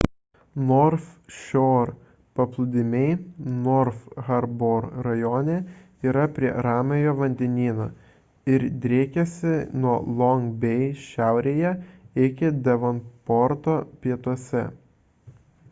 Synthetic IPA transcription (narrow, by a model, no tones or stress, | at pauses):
nɔɾfʃʲoːɾ | pɐplˠʊd̪ʲɪmʲɛɪnɔɾfɣɐɾboːɾɾɐjoːnʲe | iːɾɐpʲɾʲiɛɾɑːmʲejoːʋɐnʲd̪ʲɛnʲiːnoː | ɪɾd̪ʲɾʲeːkʲɛsʲɪnuɔlˠɔŋɡbʲɛɪʃʲæˑʊɾʲeːjɛɪkʲɪd̪ʲɛʋɔnpɔɾt̪oːpʲiɛt̪uɔsʲɛ̰